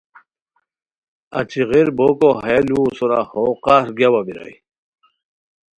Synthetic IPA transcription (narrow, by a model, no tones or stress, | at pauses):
a̰t͡ɕʰiʁiɾbokoɦaalusuɾahoqaɾɡawabiɾa̰j